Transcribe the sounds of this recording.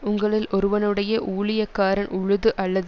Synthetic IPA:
ʊŋɡɐɭɪlɔɾɯʋɐnɯɽɐjɐʔuːɭɪjɐkːaːɾɐnʔʊɻʊðɯʔɐlːɐð

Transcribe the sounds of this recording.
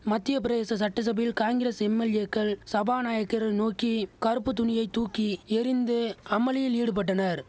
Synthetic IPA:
mɐt̪ːɪjɐpɪɾɐeːsɐsɐʈːɐs̬ɐbɐjɪlkaːŋɡɪɾeːsɛmːɛljekːɐɭsɐbaːnaːjɐkːɐɾɐnoːkikɐɾɯpːɯt̪ʊnɪjɐɪt̪uːkːiɛɾɪnd̪ɯɐmɐlɪjɪliːɽɯp̬ɐʈːɐnɐɾ

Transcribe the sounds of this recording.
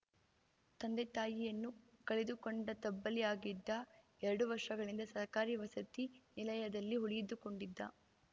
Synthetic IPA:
t̪ɐnd̪et̪aːjijɐnːukɐɭed̪ukoɳɖɐt̪ɐbːɐlijaːɡid̪ːɐ | ɛɾɐɽuʋɐɾʂɐɡɐɭind̪ɐsɐɦkaːɾiʋɐsɐt̪inilɐjɐd̪ɐlːiɦuɭijid̪ːuko̞ɳɖid̪ːɐ̰

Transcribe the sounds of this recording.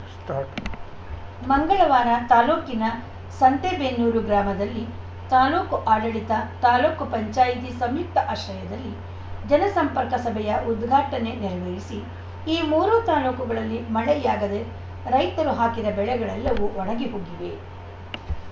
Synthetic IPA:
mɐŋɡɐɭɐʋaːnɐt̪aːloːkinɐ | sɐnt̪ebenːuːɾuɡɾaːmɐd̪ɐlːi | t̪aːloːkuʔaːɽɐɭit̪ɐt̪aːloːkupɐɲt͡ʃaːjit̪̬isɐmjuk̚t̪ʰɐʔaːʃɐjɐd̪ɐlːi | d͡ʒɐnɐsɐmpɐɾkɐsɐbʱɛjɐʔud̪ɡʱaːʈɐne̞niɾɐʋeːjisi | iːmuːɾuːt̪aːloːkuɡɐɭɐlːimɐɭɛjaːɡɐd̪e | ɾɐjt̪ɐɾuɦaːkid̪ɐbɛɭɛɡɐɭɛlːɐʋuɔɽɐɡeɦoːɡiʋe

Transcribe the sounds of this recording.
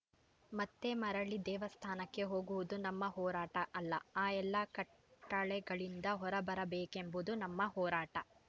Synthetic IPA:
mɐt̪ːemɐɾɐɭid̪ɛːʋɐst̪ʰaːnɐkːe̞ɦo̞ːɡuʋud̪unɐmːɐɦɔːɾaːʈɐʔɐlːɐaːɛlːɐkɐʈː | ɐɭɛɡɐɭind̪ɐɦɔɾɐbɐɾɐbeːkembud̪unɐmːɐhɔːɾaːʈɐ

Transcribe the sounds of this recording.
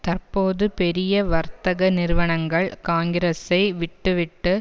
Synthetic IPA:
t̪ɐrpoːðɯpɛɾɪjɐʋɐɾt̪ɐɣɐnɪɾɯʋɐɳɐŋɡɐɭkaːŋɡɪɾesɐɪʋɪʈːɯʋɪʈːɯ

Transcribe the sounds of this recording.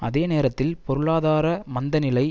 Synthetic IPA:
ɐðeːneːɾɐt̪ːɪlpɔɾɯɭaːðaːɾɐmɐnd̪ɐnɪlɐɪ

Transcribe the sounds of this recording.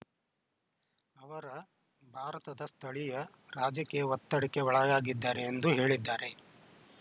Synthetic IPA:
ɐʋɐɾɐ | bʱaːɾɐt̪ɐd̪ɐst̪ʰɐɭijɐ | ɾaːd͡ʒɐkeʋɐt̪ːɐɽikːeɔɭɐɡaːɡid̪ːaːɾe̞ːnd̪uɦe̞ːɭid̪ːaːɾe̞

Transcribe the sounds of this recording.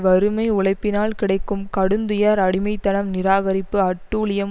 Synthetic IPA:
ʋɐɾɯmɐɪʊɭɐɪpːɪnaːlkɪɽɐɪkːɯmkɐɽɯnd̪ɯjaːɾɐɽɪmɐɪt̪ːɐnɐmnɪɾaːɣɐɾɪpːɯɐʈːuːlɪjɐm

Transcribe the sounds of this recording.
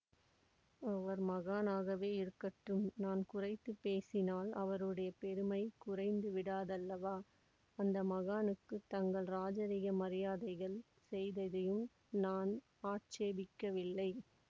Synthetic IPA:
ɐʋɐɾmɐɣaːnaːɣɐʋeːɪɾɯkːɐʈrɯmnaːnkʊrɐɪt̪ːɯpːeːsɪnaːlɐ̰ʋɐɾɯɽɐjɐpɛɾɯmɐɪkʊrɐɪnd̪ɯʋɪɽaːðɐlːɐʋaː | ɐnd̪ɐmɐɣaːnɯkːɯt̪ːɐŋɡɐɭɾaːd͡ʒɐɾɪɣɐmɐɾɪjaːðɐɪɣɐɭ | sɛjðɐðɐjɯm | naːn | aːʈ̚t͡ʃeːbɪkːɐʋɪlːɐɪ

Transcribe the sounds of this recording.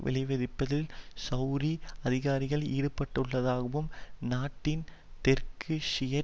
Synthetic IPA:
ʋʔɪ̰lɐɪʋɐðɪpːɐðɪlsɐʊɾiɐðɪɣaːɾɪɣɐɭiːɽɯpːɐʈːɯɭːɐðaːɣɐʋɯmnaːʈːɪn | t̪ɛrkʰɯʂɪjɐ

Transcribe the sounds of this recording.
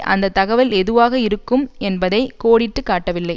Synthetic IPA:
ʔɐ̰nd̪ɐt̪ːɐɣɐʋɪlɛðɯʋaːɣɐɪɾɯkːɯmɛnbɐðɐɪkoːɽɪʈːɯkːaːʈːɐʋɪlːɐɪ

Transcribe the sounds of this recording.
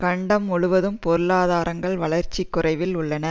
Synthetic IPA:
kɐɳɖɐmːʊɻʊʋɐðɯmpɔɾɯlaːðaːɾʔɐŋɡɐɭʋɐɭɐɾt͡ʃːikːʊrɐɪʋɪlʊɭːɐnɐ

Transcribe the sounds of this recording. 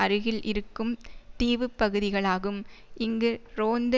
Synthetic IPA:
ɐɾɯɣɪlʔɪɾɯkːɯmt̪iːʋɯpːɐɣɯðɪɣɐɭaːɣɯm | ʔɪŋɡɯɾoːnd̪

